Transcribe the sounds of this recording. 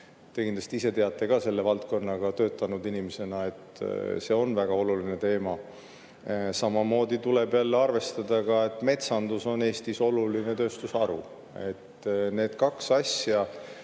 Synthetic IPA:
t̪e̞kind̪lɑst̪iise̞t̪e̞ɑt̪ːˑe̞kɑse̞lːe̞vɑlt̪̚ko̞nːɑɡ̥ɑt̪ø̞ːt̪ːˑɑnud̪inimese̞nɑe̞t̪se̞ːo̞nvæɡ̥ɑo̞luline̞t̪e̞ːmɑ | sɑmɑmo̞ːd̪it̪ulebjælːeɑrve̞st̪ɑd̪ɑɡɑe̞t̪ːˑme̞t̪sɑnd̪̥uso̞ne̞ːst̪iso̞luline̞t̪ø̞ːst̪usɑɾu | e̞t̪ːne̞ːd̪kɑksɑsjɑ

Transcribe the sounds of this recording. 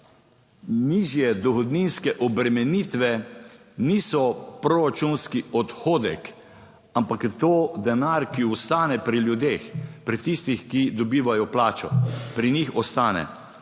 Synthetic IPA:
niːʒjɛd̪ɔxɔd̪ninskɛʔɔbɾɛmɛniːt̪ʋɛ | nisɔpɾɔɾat͡ʃunskiɔt̪xoːd̪ɛ̰k | ampakjɛt̪od̪ɛnaɾkiɔst̪aːnɛpɾiljud̪eːxpɾit̪ist̪ixkid̪ɔbiːʋajɔplaːt͡ʃɔ̰pɾinixɔst̪aːnɛ̰

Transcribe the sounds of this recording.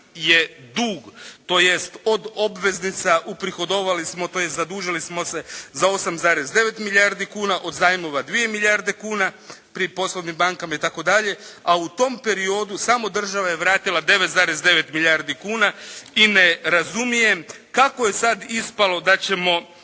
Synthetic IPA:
je̞d̪uːɡt̪o̞je̞st̪o̞d̪o̞bʋe̞znit̪saʔupɾixo̞d̪o̞ʋalismo̞t̪ojest̪zad̪uːʒilismo̞se̞zao̞samzaːɾeszd̪e̞ʋe̞t̪miʎʲaɾd̪ikuːnaʔo̞d̪zaːjimo̞ʋad̪ʋije̞miʎaɾd̪e̞kuːnapɾipo̞sloʋnimbaŋkamait̪ako̞d̪aʎe̞aut̪o̞mpe̞ɾio̞d̪usamo̞d̪r̩ʒaʋajeʋɾaːt̪ilˠad̪e̞ʋet̪zaːɾesd̪e̞ʋe̞t̪miʎaɾd̪ikuːnaine̞ɾazumije̞mkakoje̞sad̪ispalˠo̞d̪at͡ɕe̞mo̞

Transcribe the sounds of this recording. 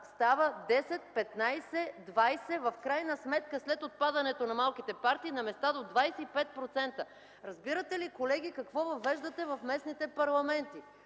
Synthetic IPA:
st̪avəd̪ɛsɛt̪̚pɛt̪najsɛd̪vajsɛvɐfkɾajnəsmɛt̪kəslɛt̪ot̪̚pad̪ɐnɛt̪onɐmalˠk̟it̪ɛpaɾt̪iːnɐmɛst̪ad̪od̪vajsɛipɛt̪̚pɾot̪sɛnt̪ə | ɾɐzbiɾət̪ɛlikolɛɡ̟ʲikɐkvɔvɐvɛʒd̪ət̪ɛvɐfmɛsnit̪ɛpɐɾlˠɐmɛnt̪i

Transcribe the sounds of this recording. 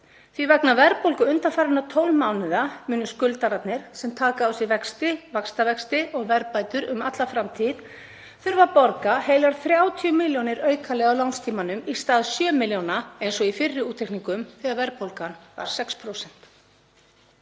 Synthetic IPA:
θvivɛknavɛɾpowlkʏʏnt̪anfaːɾɪnat̪ʰowlmaːwnɪðamʏːnːʏskʏlt̪aɾat̪nɪɾ̥sɛmt̪ʰaːkaawsɪvɛkst̪ɪvakst̪avɛkst̪ɪʔɔɣvɛɾpaːjt̪ʏɾʏmat̪lafɾamt̪ʰið | θʏɾvapɔɾkaheːjlaɾ̥θɾjaːwt̪ʰiʏmɪljownɪɾœːɥkʰalɛːɣawlawnst̪ʰiːmanʏmist̪aːðsjœːmɪljownaejnsɔɣifɪrːɪuːt̪ʰːejkniŋkʏmθiːɣaðvɛɾpowlkanva̰ɾ̥sɛkspʰɾowsɛn̥t̪

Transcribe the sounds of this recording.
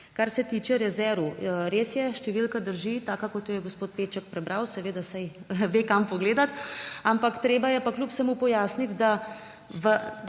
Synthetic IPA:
kaɾsɛt̪it͡ʃɛɾɛzɛɾʋuɾeːsjɛʃt̪ɛʋilkad̪əɾʒit̪aːkakɔt̪jɔjɛɡospoːt̪̚peːt͡ʃɐkpɾɛbɾawsɛʋeːd̪asajʋeːkampɔɡleːd̪at̪ampakt̪ɾeːbajɛpaklupsɛmupɔjaːsnit̪d̪a | ʋə

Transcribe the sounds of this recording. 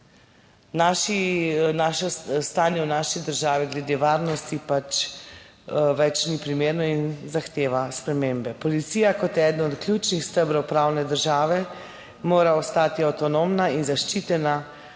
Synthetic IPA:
naːʃinaːʃɔst̪aːnjɛwnaʃid̪əɾʒaːʋiɡlɛd̪eʋaːɾnɔst̪ipat͡ʃ | ʋɛt͡ʃnipɾimeːɾnɔinzaxt̪eːʋaspɾɛmeːmbɛpɔlit̪siːjakɔt̪ɛːd̪nɔt̪klʲjut͡ʃnixst̪əbɾɔwpɾawnɛd̪əɾʒaːʋɛ | moːɾaɔst̪aːt̪iawt̪ɔnomnainzaʃt͡ʃit̪ɛna

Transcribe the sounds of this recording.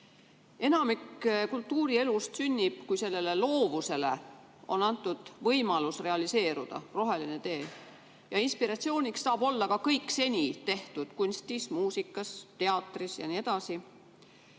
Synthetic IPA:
e̞nɑmikːkult̪ːuːɾie̞lust̪synʲːib̥kujse̞lːe̞le̞lo̞ːvuse̞le̞̰ | o̞̰nɑnt̪ːˑud̪̥vɤjmɑlusre̞ɑlise̞ːɾud̪̥ɑ̰ro̞ɦe̞line̞t̪e̞ː | jɑinspiɾɑt̪sio̞ːnʲiksːɑːb̥o̞lːɑkɑkɤjkːse̞nʲit̪e̞ht̪ud̪̥kunʲst̪ismuːsikːˑɑst̪e̞ɑt̪ːˑrisjɑ̰nie̞d̪̥ɑsi

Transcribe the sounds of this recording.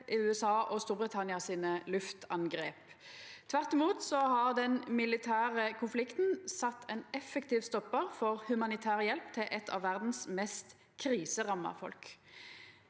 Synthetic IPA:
ʔɪʉːɛsɑːʔɔst̪uːʁbʁɪt̪ʰɑnɪɑsiːnəlʉft̪ʰɑŋɡʁeːp | t̪ʰʋæʁt̪ɪmuːt̪sɔhɑʁd̪ɛnmɪlɪt̪ʰæːʁəkʰʊnflɪkt̪n̩sɑt̪ːɛnɛfəkt̪iːʋst̪ɔpːəʁfɔʁhʉmɑnɪt̪ʰæːʁəjɛlpt̪ʰɪlʔɛt̪ʰɑ̰ʋːæʁd̪n̩smɛst̪ | kʰʁiːsəʁɑmɑ̰fɔ̰lk

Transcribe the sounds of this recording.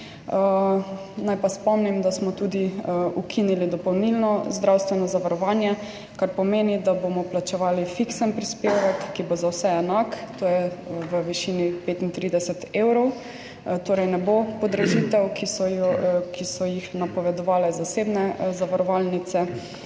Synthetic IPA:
najpaspɔmnimd̪asmɔt̪uːd̪iukʰinilid̪ɔpɔwnilnɔzd̪ɾawst̪ʋɛnɔzaʋaɾɔʋaːnjɛ | kaɾpɔmeːnid̪abomɔplat͡ʃɛʋaːlifiksənpɾispewʋɛkːibozawsɛɛnakt̪oːjɛwəʋiʃinipeːt̪int̪ɾiːd̪ɛsɛt̪eːwɾɔw | t̪oːɾɛjnɛbopɔd̪ɾɛʒit̪ɛwkisɔɔkʰisɔjixnapɔʋɛd̪ɔʋaːlɛzaseːbnɛzaʋaɾɔʋalnit̪sɛ

